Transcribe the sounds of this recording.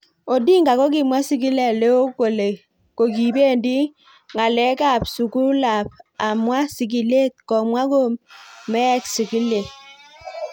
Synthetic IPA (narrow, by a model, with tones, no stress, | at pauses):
o˨di˦ŋɡa˨kɔ˦ki˨mwa˦si˦ki˦lɛ˨le˦o˦ko˨le˨ | ko˨ki˨be˦˨ndi˦ | ŋa˨lɛ˦ka˦˨p̚su˨ku˦la˨pa˨mwa˦si˨k̬i˨le˦˨t̪̚kɔ˨mwa˦ko˦mɛ˦ksi˨ki˦le˨